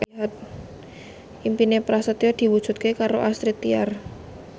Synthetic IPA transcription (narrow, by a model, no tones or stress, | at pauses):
ɦat̪̚ | impinepɾasat̪iard̪̥i̤wud̥ʒ̥ṳt̪̚kekaɾoʔast̪ɾit̪iar